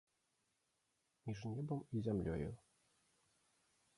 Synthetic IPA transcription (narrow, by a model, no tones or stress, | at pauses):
mʲiʐnʲɛbɔmizʲɛmlʲɔ̰jṵ